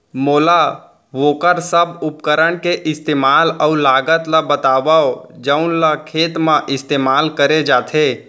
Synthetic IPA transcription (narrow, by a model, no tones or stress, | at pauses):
moːla | ʋoːkəɾsəbʊpkəɾəɽkeʔɪst̪eːmaːlɔːlaːɡət̪labət̪aːʋaod͡ʒəʊnlakʰeːt̪mãʔɪst̪eːmaːlkəɾed͡ʒaːt̪ʰe